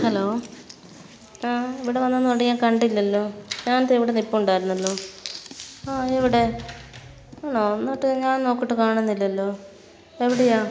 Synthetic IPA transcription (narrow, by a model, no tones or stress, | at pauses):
hɐlo̞ː | aːeʋiɽe̞ʋɐnːɐnːoʈiɲaːkɐɳɖilːɐlːo̞ːɲaːnɐt̪ːeiʋiɽenipːɐuɳɖaːjiɾunːɐlːo̞ː | aːeʋiɽe̞ | noːnːoːʈːɨɲaːnno̞ːkːiʈːɨkaːɳunːilːɐlːo̞ː | eʋiɽejaː